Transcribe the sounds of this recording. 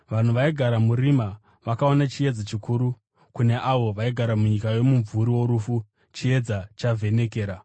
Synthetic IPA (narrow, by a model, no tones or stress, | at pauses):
ʋan̤uʋaiɡʱaɾamurima | ʋakao̞nat͡ʃije̞d͡zat͡ʃikuːɾu | kune̞ʔaʋo̞ʋaiɡʱaɾamuɲikajo̞muɱvʱuɾiwo̞ɾufu | t͡ʃie̞d͡zat͡ʃavʱe̞ne̞ke̞ːɾa